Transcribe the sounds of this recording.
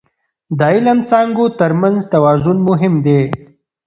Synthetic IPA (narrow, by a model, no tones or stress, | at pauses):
d̪ailamt͡sɑŋɡot̪əɾmanzt̪awɑːzʊnmʊɦɪmd̪e